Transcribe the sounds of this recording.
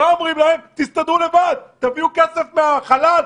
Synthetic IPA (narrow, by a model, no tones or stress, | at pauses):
aomʁimlae̞mt̪ist̪ad̪ʁule̞vad̪̚t̪aviukesefmeaχalal